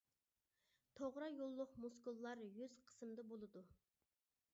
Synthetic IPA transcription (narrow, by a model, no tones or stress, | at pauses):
t̪ʰoʁɾɑjolˠːʊqmuskulˠːɑɾjyz̥qʰə̥smd̪ɑbolˠɨd̪u